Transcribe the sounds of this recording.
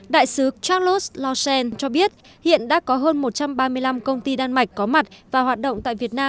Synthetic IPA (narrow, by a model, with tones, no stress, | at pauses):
ɗa̰ː˧˨jsɨ˨˦t͡ɕa˦˥lo˦˥slɔ˧sɛ˧nt͡ɕɔ˧ɓi˦˥ət̚ | hḭ˧˨ənɗa̰ː˧˥kɔ˨˦ɦəː˧nmo˨˩t̚t͡ɕa˧mɓaː˧mɨ˧əjla˧mkə˧wŋ͡mt̪i˧ɗaː˧nma˨˩jk̟̚kɔ˨˦ma˨˩t̚vaː˨˩hwaː˨˩t̚ɗə̰˧˨wŋ͡mt̪a̰ː˧˨jvi˨˩ət̚naː˧m